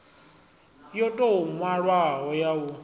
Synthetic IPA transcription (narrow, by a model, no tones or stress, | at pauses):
jɔtʼɔŋwaɺwaɦɔjaɦʊ